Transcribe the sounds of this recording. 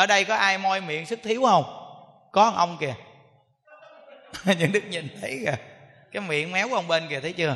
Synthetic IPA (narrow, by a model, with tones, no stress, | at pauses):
ʔəː˧˩ɗə˧jkɔ˨˦ʔaː˧jmɔ˧jmḭ˧˨əŋsɨ˦˥k̚t̪ʰi˨˦əwhə˧wŋ͡m | kɔ˨˦a˨˩ŋʔə˧wŋ͡mki˧˩ə | ɲɨ̰˧ŋɗɨ˦˥k̚ɲi˨˩nt̪ʰə˨˦jɣə˨˩ | kaː˨˦jmḭ˧˨ənmɛ˨˦wə˧wŋ͡mɓe˧nki˨˩t̪ʰə˨˦t͡ɕɨ˧ə